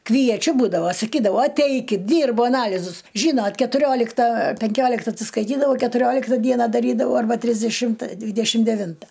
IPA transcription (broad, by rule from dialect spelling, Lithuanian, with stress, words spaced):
kʋʲiɛˈt͡ʃʲʊ ˈbuːdɐʋoː sɐˈkʲiːdɐʊ ɐˈtʲɛɪkʲɪt ˈdʲiːrbʊ ɐˈnɑːlʲɪzʊs ˈʒʲiːnoːt kʲɛtʊˈrʲoːlʲɪktɐ pʲɛŋʲˈkʲoːlʲɪktɐ ɐtʲsʲɪskɐɪˈtʲiːdɐʋɐʊ kʲɛtʊˈrʲoːlʲɪktɐ ˈdʲiɛnɐ dɐˈrʲiːdɐʋɐʊ ɐrˈbɐ tʲrʲɪzʲdʲɛˈʃʲɪmtɐ ˈdʲʋʲiːdʲɛʃʲɪm dʲɛˈʋʲɪntɐ